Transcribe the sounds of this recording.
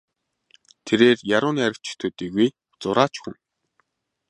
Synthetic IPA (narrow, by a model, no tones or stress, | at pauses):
t̪ʰeɾeːrjaɾʊːniːaɾʲɪ̆kt͡ɕʰɪ̥t̪ʰɵːt̪iːɣuj | t͡sʊɾaːt͡ɕxɘ̆ŋ